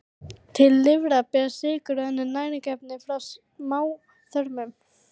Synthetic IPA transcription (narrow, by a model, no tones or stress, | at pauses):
t̪ʰɪlːɪvɾapɛsɪːkʏɾɛnːʏɾnaːjɾɪcɛpnɪfɾaws | maːw | θœɾmʏm